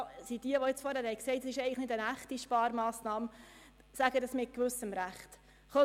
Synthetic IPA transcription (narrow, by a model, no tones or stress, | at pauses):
sid̥iəʋɔɪt͡sfɔɾhæːɾhɛjksɛɪtɛsɪʃɛɪɡləχnɪdənæχtiʃpɑːɾmɑːsnɑːm | sæɡədɑsmɪt̚kʋʏsəmɾæχt | χɔ